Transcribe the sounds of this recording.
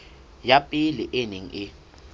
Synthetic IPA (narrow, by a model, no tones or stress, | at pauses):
japʼiliʔeniŋ̩ʔɪ